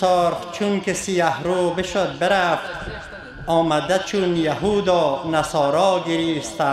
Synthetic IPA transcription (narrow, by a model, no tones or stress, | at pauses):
oɾχt͡ʃʰunkesijahɾoːbɪʃod̪̚beɾaft̪ | ɔːmad̪at͡ʃʰunjahuːd̪ɔːnasɔːɾɔːɡiɾiːst̪a